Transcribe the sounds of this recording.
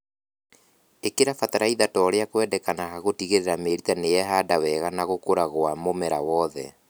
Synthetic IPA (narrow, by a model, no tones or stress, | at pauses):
ekeɾafataɾaiðatɔːɾeakwɛdɛkanahaɣotiɣeɾeɾameɾitanejɛɦadawɛɣanaɣokoɾaɣwamomɛɾawɔðɛ̰